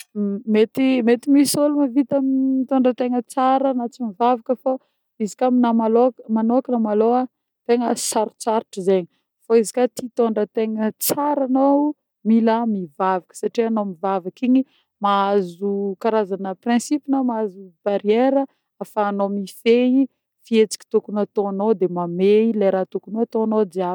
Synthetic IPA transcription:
met̪imet̪imisolumavit̪amit̪oɳɖ͡ʐət̪eŋət͡saɾənat͡simivavakəfo | izikʲaminamalomanoakənamaloa | t̪eŋəsaɾu̥t͡saɾiʈ͡ʂizeɲi | foizi̥kat̪it̪oɳɖ͡ʐət̪eŋət͡saɾano | miləmivavakə̥saʈ͡ʂianomivavakiɲi | maazukaɾazanəprɛ̃sipinomaazub̥aɾieɾə | afaːnomifei | fiet͡si̥kʲi̥t̪ukunat̪oanod̪emameilajɾat̪ukunoat̪onod̪eav

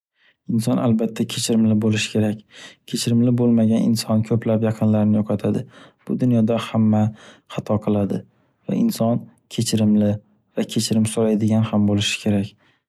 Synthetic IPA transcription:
ɪnsɒna̰lbat̪ʰːakʲʰet͡ʃʰɪɾɪmlɪbolɪʃɪ̥kʰʲe̞ɾakʲkʰʲe̞t͡ʃʰɪɾɪmlɪbolˠmaɡʲanʔɪ̰nsɒnkʰɵpʰlapjɑqʰɨnlaɾɪnɪjoqʰɑt̪ʰad̪ɪb̥ʊd̪ʊnjɒd̪ahamːaχɑt̪ʰɒqʰɨlˠad̪ɪ | va̰ɪnsɒn | kʲʰe̞t͡ʃʰɪɾɪmlɪ | vakʲʰe̞t͡ʃʰɪɾɪmsoɾajd̪ɪɡʲanhambolɪʃɪ̥kʲʰe̞ɾak̚ʲ

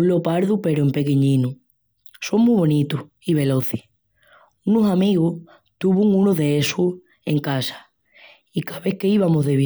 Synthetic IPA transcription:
lo̞paɾðupe̞ɾoempe̞keɲĩnu | so̞ŋmuβo̞nit̪u | iβ̞e̞lo̞θeh | unosamiɣoh | t̪uβuŋũnoðeesuh | e̞ŋkasḁ | ikaβe̞hke̞iβamoɦðeβ

